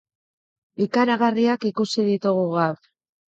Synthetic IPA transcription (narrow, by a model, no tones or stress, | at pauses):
ikaɾaɣariakikusiðit̪uɣ̞uɣaf